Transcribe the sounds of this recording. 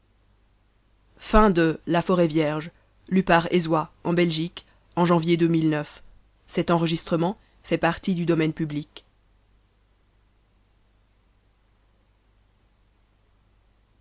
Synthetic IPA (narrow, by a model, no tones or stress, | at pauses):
fɛ̃d̪əlafɔʁɛvjɛʁʒ | lypaʁezwaɑ̃bɛlʒik | ɑ̃ʒɑ̃vjed̪ømilnœf | sɛt̪ɑ̃ʁəʒist̪χəmɑ̃ | fɛpaʁt̪id̪yd̪ɔmɛnpyblik